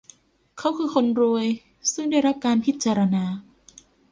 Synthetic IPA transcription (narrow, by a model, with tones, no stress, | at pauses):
kʰa˦˥wkʰɯː˧xʰo˧nɾu˧əj | sɯ˥˩ŋda˥˩jɾa˦˥p̚kaː˧npʰi˦˥t̪̚t͡ɕaː˧ɾa˧naː˧